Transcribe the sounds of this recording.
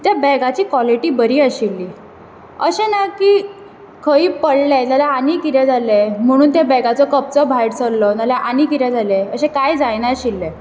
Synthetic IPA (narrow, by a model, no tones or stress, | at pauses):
t̪jabɛɡat͡ɕiːkʋɔliʈiːbəɾiːəɕilːiː | əɕẽnakiː | kʰəiːpəɽlet̪jalaanikiɾjɛd͡zʱalem̤əɽ̃uːnt̪abɛɡat͡sɔkəp̚t͡sɔbʱajɽt͡səllɔt̪alaʔanikiɾjad͡zaleəɕẽkajd͡zajnaɕilːe